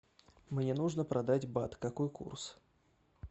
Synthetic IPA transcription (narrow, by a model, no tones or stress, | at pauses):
mnʲɛnuʐnəpɾad̪ad͡zʲbat̪kakojkṵrs